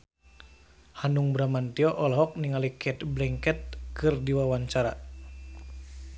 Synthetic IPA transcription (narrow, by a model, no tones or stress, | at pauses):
hanuŋbɾamant̪iɔʔɔlɔɦɔk̚niŋalikʰɛt̪blɛŋkɛt̪̚kɨrdiwawaɲt͡ʃaɾa̰